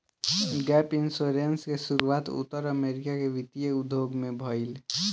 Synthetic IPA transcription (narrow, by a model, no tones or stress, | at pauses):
ɡɛpɪnsoɾenskesʊɾuaːt̪ʊ̰t̪ːəɾəmeɾɪkakeʋɪt̪ijəʊd̪ʱjoɡmẽbʱɔɪl